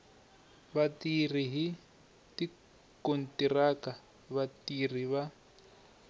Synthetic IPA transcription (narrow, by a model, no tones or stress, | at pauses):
βatir̤iɦi | ti | kon̩tiraka | βatir̤iβa